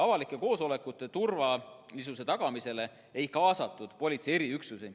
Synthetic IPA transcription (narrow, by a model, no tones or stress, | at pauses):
ɑvɑlikːˑe̞ko̞ːso̞le̞kːˑut̪ːˑe̞t̪urvɑlisuse̞t̪ɑɡ̥ɑmise̞le̞ | e̞jkɑːsɑt̪ːˑud̪̥po̞lʲit̪sie̞ɾiyksuse